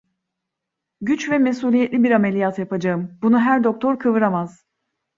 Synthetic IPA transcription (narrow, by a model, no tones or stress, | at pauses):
ɟyt͡ʃvɛmesuːlʲijɛt̪lʲibiɾamelʲijat̪japad͡ʒaɯmbunuɦæɾd̪o̞k̚t̪ʰo̞ɾkʰɯvɯɾamaz̥